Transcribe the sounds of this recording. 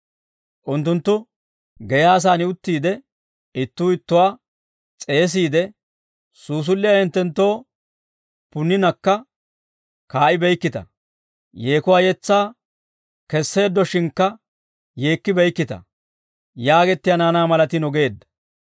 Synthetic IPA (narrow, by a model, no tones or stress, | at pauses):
ʔʊnt̪ːʊnt̪ːʊ | ɡɛjaːs̬aːnɪʊt̪ːiːd̪ɛ | ɪt̪ːuːɪt̪ːʊwaː | t͡sʼe̞ːs̬iːd̪ɛ | suːs̬ʊlːɪjahɪnt̪ːɛnt̪ːo̞ː | pʊnːɪnɐkːɐ | kaːʔɪbɛjkːɪt̪ɐ̰ | je̞ːkʊwaːjɛt͡sːaː | kɛsːe̞ːd̪ːɔʃɪnkːɐ | je̞ːkːɪbɛjkːɪt̪ɐ̰ | jaːɡɛt̪ːɪjanaːnaːmɐlɐt̪ɪnɔɡe̞ːd̪ːɐ̥